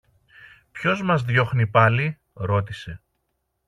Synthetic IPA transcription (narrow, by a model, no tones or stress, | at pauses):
pço̞zmɐzðjo̞xnipɐli | ɾo̞t̪ise̞